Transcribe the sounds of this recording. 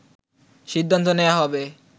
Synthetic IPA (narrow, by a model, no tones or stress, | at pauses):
ʃid̪ʱːant̪̬oneaɦɔbe